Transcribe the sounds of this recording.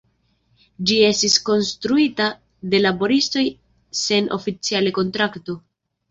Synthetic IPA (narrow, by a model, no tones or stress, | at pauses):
d͡ʒie̞stisko̞nstɾuita | de̞labo̞ɾisto̞j | se̞nʔo̞̰fit͡sialeko̞ntɾakto̞